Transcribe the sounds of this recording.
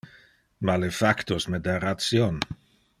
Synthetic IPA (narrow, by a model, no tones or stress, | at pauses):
malefakt̪osmed̪arat̪sjon